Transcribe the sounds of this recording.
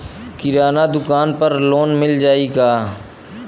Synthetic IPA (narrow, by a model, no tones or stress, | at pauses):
kɪɾaːnad̪ʊkaːnpɐɾloːnmɪld͡ʒaːiɡaː